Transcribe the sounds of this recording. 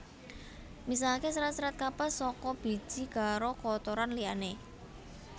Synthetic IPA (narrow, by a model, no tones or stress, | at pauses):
mis̬alkesɾat̪sɾat̪̚kapəsɔkɔb̥i̤̥ʒ̥i̤ɡ̥a̤ɾokɔt̪oɾanliane